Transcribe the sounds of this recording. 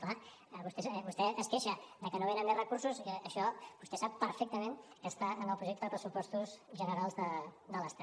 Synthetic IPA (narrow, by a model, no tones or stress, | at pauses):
kla | βust̪ɛβust̪ɛəskeʃəd̪əkənoβ̞enəmerəkuɾsuzəʃɔbust̪ɛsapːəɾfɛk̚t̪əmẽnkəst̪aənəlˠpɾuʒekt̪əðəpɾəsupɔst̪uzʒənəɾalˠzðəd̪ələst̪a